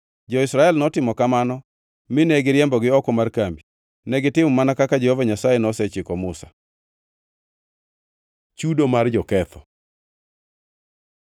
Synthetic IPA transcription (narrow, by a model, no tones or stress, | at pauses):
d͡ʒɔɪsɾaɛlnɔtɪmɔkamanɔ | mɪnɛɡɪɾjɛmbɔɡɪɔkɔmarkambi | nɛɡɪtɪmɔmanakakad͡ʒɛhovaɲasajɛnɔsɛt͡ʃɪkɔmʊsḁ̰ | t͡ʃudomard͡ʒɔkɛt̪ʰɔ